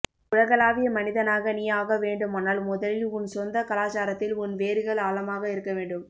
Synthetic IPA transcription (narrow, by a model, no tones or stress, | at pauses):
ʊɻɐɣɐlaːʋɪjɐmɐnɪðɐnaːɣɐnɪjaːɣɐʋeːɳɖɯmaːnaːlmʊðɐlɪlʊnsɔnd̪ɐkɐlaːt͡ʃaːɾɐt̪ːɪlʊnʋeːɾɯɣɐɭaːlɐmaːɣɐɪɾɯkːɐʋeːɳɖɯm